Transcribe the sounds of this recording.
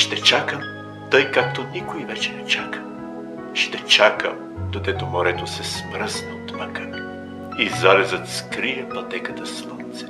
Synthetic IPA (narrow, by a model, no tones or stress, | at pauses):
ʃt̪ɛt͡ʃakəm | t̪ɤjkak̚t̪onikoivɛt͡ʃɛnɛt͡ʃakə̥ | ʃt̪ɛt͡ʃakəm | d̪̥od̪ɛt̪omoɾɛt̪osɛsmɾəsnɐot̪vakən | izalɛzət̪skɾiɛpɐt̪ɛkət̪əslˠont̪sɛ̥